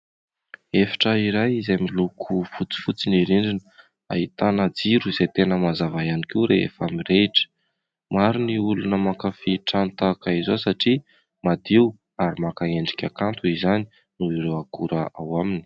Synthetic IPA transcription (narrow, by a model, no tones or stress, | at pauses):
efḁʈ͡ʂəiɾajizamilukʰufut͡si̥fut͡siniɾiɳɖ͡ʐin | a̰ɦit̪anad͡ziɾuizejt̪enəmazavajanikiwɾeḛfamireʈ͡ʂə̥ | maɾiniulunəmakafiʈ͡ʂant̪akaizosaʈ͡ʂi | mad̪iw | aɾimakaeɳɖ͡ʐi̥kʲakant̪uizani̥ | nuiɾewakuɾəawamini̥